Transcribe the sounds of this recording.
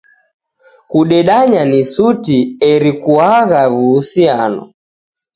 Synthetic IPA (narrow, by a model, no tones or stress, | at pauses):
kuɗɛɗaɲanisutiɛɾikuaɣaβuːsianɔ̰